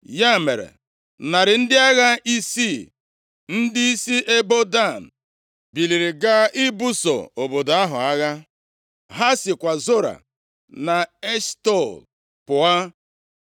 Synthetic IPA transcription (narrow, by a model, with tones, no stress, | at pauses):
ja˦˨me˨ɾḛ˨ | na˨ɾɪ˨n̩˦dɪ˦a˦ɣa˦i˦si˦˨ | n̩˦dɪ˦i˦si˦ʔe˦bo˦da˦˨n̩˨ | bi˨li˨ɾi˨ɡa˦ʔɪ˦bu˦so̰˨o˨bo˨da˦ɦʊ̰˨a˦ɣa˦ | ɦa˦sɪ˨kʷa˨zo˦ɾa̰˨ | na˨e˦stɔ˦˨l | pʊ˨a˦